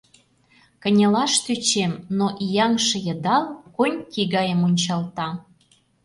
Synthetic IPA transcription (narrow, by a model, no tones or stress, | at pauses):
kə̆nʲəlɑʃt̪yt͡ɕemnoʔijɑŋʃə̆jə̆d̪ɑlkonʲkiɣɑjəmunʲt͡ɕɑlt̪ɑ